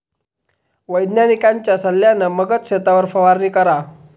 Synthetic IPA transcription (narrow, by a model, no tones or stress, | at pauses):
ʋəjd̪njanikaɲt͡ɕjasəlːjanəməɡət͡sɕet̪aʋəɾfəʋaɾniːkəɾa